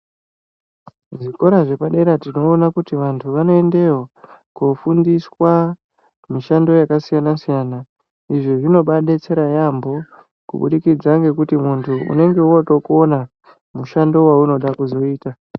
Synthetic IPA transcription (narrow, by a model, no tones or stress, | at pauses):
ʐiko̞ɾaʐe̞paɗe̞ɾatino̞ːnakutiʋantʰuʋano̞e̞nde̞wokufundiswa | miʃando̞jakasijanasijaːna | iʐoʐino̞ɓaɗet͡se̞ɾajambo̞ | kṵɓṵɗikid͡zaŋɡe̞kutimuntʰuʔṵne̞ŋɡe̞uotokuona | muʃando̞wauno̞ɗakuzo̞iːta